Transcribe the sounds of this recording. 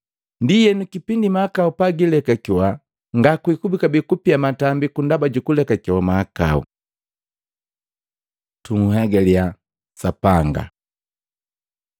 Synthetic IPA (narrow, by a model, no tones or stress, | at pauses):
ndijɛnukipindimaakaupaɡilɛkakɔwa | ŋɡakwikubikabikupiamatambikundabaɟukulɛkakɔwamaaka̰ṵ | tuŋhɛɡalja | sapaŋɡa̰